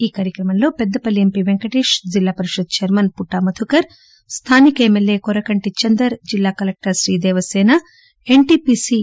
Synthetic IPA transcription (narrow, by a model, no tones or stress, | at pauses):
iːkaːɾjɐkɾɐmɐnlo̞ːpɛd̪ːɐpɐliempiːʋeŋkɐʈeːʂd͡ʒilːaːpɐɾiʃud̪̚t͡ʃɐɾmɐnpuʈːaːmɐt̪ʰukɐɾ | st̪ʰaːnikɐemelːeːkɔɾɐkɐɳʈit͡ʃɐnd̪ɐɾd͡ʒilːaːkɐlek̚ʈɐɾʃɾiːd̪ɛːʋɐsɛːnɐ | eɳʈiːpiːsiː